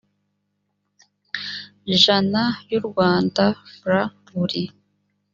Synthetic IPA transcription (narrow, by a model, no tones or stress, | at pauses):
ʒanajuɾɡwaːndafɾa | βuɾi